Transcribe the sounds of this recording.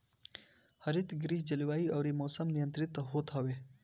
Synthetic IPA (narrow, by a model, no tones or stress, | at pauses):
hɐɾit̪ɡɾiːhd͡ʒɐliwaːiɐwɾimoːsɐmnijənt̪ɾit̪ːaɦot̪ʰawe